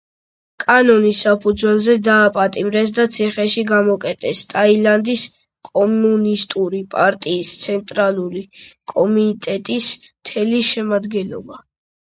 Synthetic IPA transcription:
kʼanɔnisːapʰud̪zwɛlzɛd̪aːpʼat̪ʼimɾɛs̬d̪at̪sʰiχɛʃiɡamɔkʼɛt̪ʼɛst̪ʼailand̪is | kʼɔmunist̪ʼuɾipʼaɾt̪ʼiːst̪sʰɛnt̪ʼɾalˠuɾikʼɔmit̪ʼɛt̪ʼismt̪ʰɛliʃɛmad̪ɡɛnlɔ̰ba

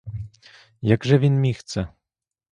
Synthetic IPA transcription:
jaɡʐɛvʲinmʲixt̪sɛ

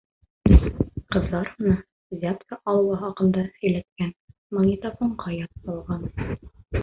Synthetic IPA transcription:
qɤ̆zɑɾmɤ̆nɑ | zʲat̪kaʔɒlˠwɑɦɒqɤ̆nd̪ɑɵ̆jlæt̪̚kæn | mŏŋʲit̪afoɴqɑjɑt̪sɒlˠʁɑn

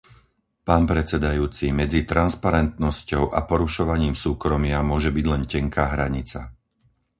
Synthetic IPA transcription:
paːnpɾɛt͡sɛd̪ajuːt͡simɛd͡zit̪ɾanspaɾɛnt̪nɔscɔʊʔa̰pɔɾuʃɔʋaɲiːmsuːkɾɔmɪamʊɔʒɛbiɟlɛncɛŋkaːɦɾaɲit͡sa̰

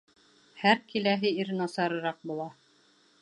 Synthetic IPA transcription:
hæɾkilæɦɘiɾnɑsɑɾɤ̆ɾɑq̚bulˠɑ

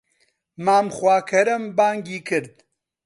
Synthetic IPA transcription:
maːmxwaːkʰɐɾɐmbaːŋɡiːkʰɨɾd̪̚

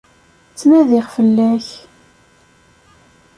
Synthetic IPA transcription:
t͡sːmæðɪʁfəlːæç

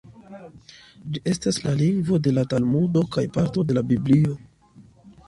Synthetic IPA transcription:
d͡ʒiʔe̞staslaliŋɡvo̞de̞latalmudo̞kajpaɾto̞de̞labiblio̞

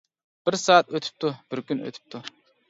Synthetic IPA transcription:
b̥ɪɾsɑːat̪øt̪ʰy̥p̚t̪ʰub̥ɪɾkʲynø̰t̪ʰy̥p̚t̪ʰuɾ

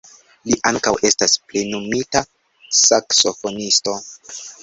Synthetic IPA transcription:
liʔaŋkawe̞stasplenomita | sakso̞fonisto̞

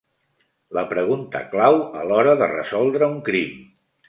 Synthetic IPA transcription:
ləpɾəɣ̞unt̪ə̰klawəlɔɾəðə̰rə̰zɔlˠd̪ɾəuŋkɾim

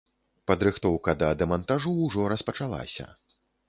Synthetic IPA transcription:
pɐd̪ɾɨxt̪ɔwkɐd̪ɐd̪ɛmɐnt̪aʐuːʐɔɾɐspɐt͡ʂalˠa̰sʲɐ̰

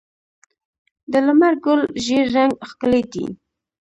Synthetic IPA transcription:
d̪əlamaɾɡʊlʒeɾːaŋɡxkəled̪ḭ

